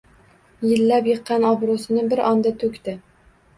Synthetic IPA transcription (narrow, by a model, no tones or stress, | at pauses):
jɪlːapjɨqːɑnɒbɾosɪnɪbɪɾʔɒnd̪at̪ʰɵkʲt̪ɪ